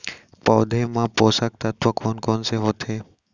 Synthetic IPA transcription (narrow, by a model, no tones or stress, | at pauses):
pɔːd̪ʱemãpoːsak̚t̪at̪ʋakɔːnkɔːnseɦoːt̪ʰe